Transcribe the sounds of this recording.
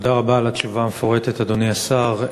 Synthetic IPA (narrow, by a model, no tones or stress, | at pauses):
daʁabaːlatt͡ʃuvamefo̞ʁet̪et̪ad̪oniasaʁ